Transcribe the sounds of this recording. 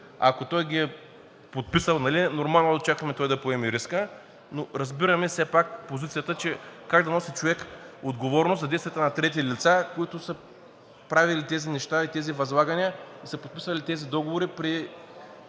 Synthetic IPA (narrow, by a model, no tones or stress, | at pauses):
ɐ̰kot̪ɔjɡʲiɛ | pot̪̚pisəlˠnɐlinoɾmalˠnod̪ɐt͡ʃakɐmɛt̪ɔjd̪ɐpoɛmiɾiskə | noɾɐzbiɾɐmɛsɛpakpozit̪sijət̪ət͡ʃɛkaɡd̪ɐnɔsit͡ʃovɛkod̪ɡovɔɾnosɐd̪ɛjst̪vʲijət̪ɐnɐt̪ɾɛt̪̬ilit̪sakoit̪ʊsə | pɾavilit̪ɛzinɛʃt̪ait̪ɛzivɐzlˠaɡɐniəisəpot̪̚pi̥svɐlit̪ɛzid̪ɔɡovoɾipɾi